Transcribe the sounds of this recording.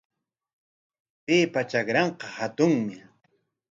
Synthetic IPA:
peːpat͡ʃakɾɑɴqɑhat̪ʊŋmɪ

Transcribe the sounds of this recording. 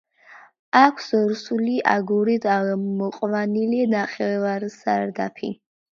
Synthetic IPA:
akʷʰsɾusuliʔa̰ɡuɾid̪amɔqʼvanilinaχɛvaɾsaɾd̪a̰pʰḭ

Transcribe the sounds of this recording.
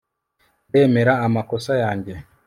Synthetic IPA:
e̞ːme̞ɾaːmako̞sajaːɲɟe̞

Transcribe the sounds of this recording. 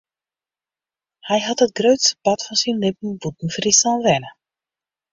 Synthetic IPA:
hɛjɦɑtɦət̚ɡrøɥtsə̥pɑtfɔnsinlɪp̚n̩but̚n̩frisanʋɛnə

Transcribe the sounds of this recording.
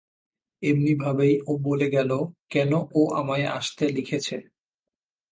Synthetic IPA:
ebnibʱabejoboleɡɛlokɛnoʔoʔamaea̰ʃt̪elikʰet͡ɕʰe

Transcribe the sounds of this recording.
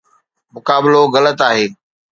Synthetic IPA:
mʊkaːbɪloɣɐlət̪aːɦeː

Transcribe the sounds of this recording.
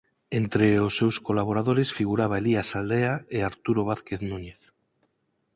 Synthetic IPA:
ent̪ɾeosːewskolaβ̞oɾaðoɾesfiɣuɾaβ̞aeliasald̪eaeaɾt̪uɾoβ̞aθkeθnuɲeθ

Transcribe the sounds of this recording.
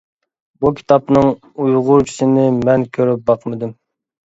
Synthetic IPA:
bukʲʰi̥t̪ʰɑpnɨŋ | ujʁʊɾkʲʰi̥ʃɪnɪmɛnkʲʰøɾyp̚bɑqmɪd̪ɪm

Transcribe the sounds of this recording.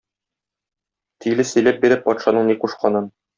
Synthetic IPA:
t̪ʰijlɘsɵ̆jlæp̚biɾɘpːɒt̪ʃɑnɤɴniquʃqɑnɤn

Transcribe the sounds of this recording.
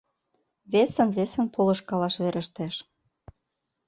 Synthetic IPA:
βesə̆nβesə̆npʰolɤ̆ʃkɑlɑʃβeɾʔə̆ʃt̪eʃ

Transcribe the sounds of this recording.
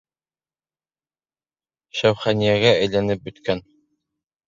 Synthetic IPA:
ʃæwχænijæɡææjlænɘp̚bɵ̆t̪kʰæn

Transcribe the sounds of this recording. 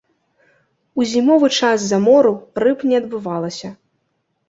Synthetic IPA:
uzʲimɔvɨt͡ʂaszɐmɔɾurɨpnʲɛɐd̪bɨvalˠɐsʲɐ

